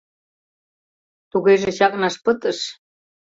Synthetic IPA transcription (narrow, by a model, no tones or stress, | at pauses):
t̪uɣeʒĕɕɑk̚ʼnɑʃpɤt̪ə̆ʃ